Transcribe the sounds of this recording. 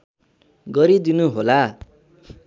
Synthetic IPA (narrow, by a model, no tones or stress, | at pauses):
ɡʌɾid̪inuɦola